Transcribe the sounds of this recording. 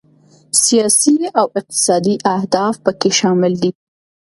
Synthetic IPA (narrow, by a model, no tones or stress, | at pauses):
sijɑsiawɪq̚t̪ɪ̥sɑd̪iʔahd̪ɑfpəkeʃɑmɪld̪i